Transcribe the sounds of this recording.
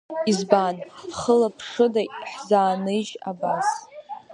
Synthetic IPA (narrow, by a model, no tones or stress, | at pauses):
izbanχəlapʰʂɨdaħzaːnɨd͡ʒa̰bas